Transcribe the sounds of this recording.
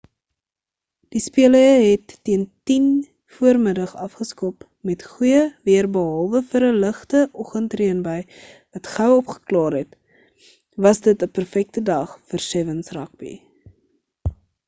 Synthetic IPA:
d̥ispiələəɦɛtːiəntin | fuərmədəχɐfχəskɔp | mɛtχujəviərbəɦɐlˠvəfəɾələχtəʔɔχəntriənbəj | vɐtχœwɔpχə̥klɑːrɦɛt | vɐsdətəpərfɛk̚tədɐχfərsɛvənsrɐ̰k̚bḭ

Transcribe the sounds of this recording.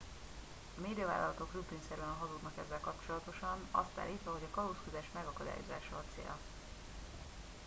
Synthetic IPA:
ɒmeːd̪ijɒva̰ːlːɒ̰lɒt̪o̞kryt̪linsɛɾɛnɦɒzuːd̪nɒkɛzːɛlkɒpt͡ʃo̞lɒt̪o̞ʃɒnɒ̰st̪a̰ːlːiːt̪ʋɒɦo̞ɟɒkɒluskyzɛʃmɛɡɒkɒd̪a̰ːjo̞̰za̰ːʃɒːt̪sḛːl

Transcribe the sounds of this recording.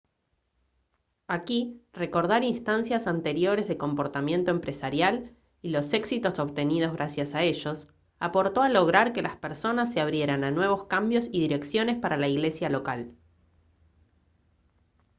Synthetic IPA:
akire̞ko̞ɾð̞aɾinst̪ansjasant̪e̞ɾjo̞ɾe̞zðeko̞mpo̞ɾt̪amje̞nt̪oempɾesaɾjal | ilo̞se̞ksit̪o̞so̞βt̪e̞nið̞o̞zɣɾasjasae̞ʒo̞s | apo̞ɾt̪o̞alo̞ɣ̞ɾaɾke̞laspeɾso̞nas̬ːeaβɾje̞ɾananwe̞β̞o̞skambjo̞siðiɾe̞ksjo̞ne̞spaɾalaiɣle̞sjalo̞kal

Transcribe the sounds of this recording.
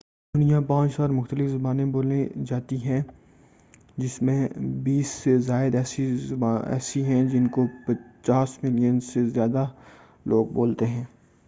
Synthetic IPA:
d̪ʊnijãpãːt͡ʃɔːɾmʊxt̪əlɪfzɐbaːnẽboːled͡ʒaːt̪iɦɛ̃ | d͡ʒɪsmẽbiːsːezaːɪd̪ɛːsiaɛ̰ːsiɦɛ̃d͡ʒɪnkopɐt͡ʃaːsmɪlijənsezjaːd̪a | lʔoːɡ̚boːlt̪eɦɛ̃ː

